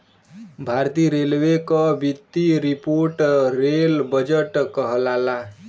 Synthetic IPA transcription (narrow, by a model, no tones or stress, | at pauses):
bʱaɾt̪ijɾelwekʌbit̪ːiɾipoɾʈɾelbʌd͡ʒeʈkʌɦlala